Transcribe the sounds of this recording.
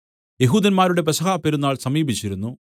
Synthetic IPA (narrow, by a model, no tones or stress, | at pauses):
je̞ɦuːd̪ɐnmaːɾuɽe̞pɐsɐɣaːpeɾunːaːɭsɐmiːbʱit͡ɕːiɾunːu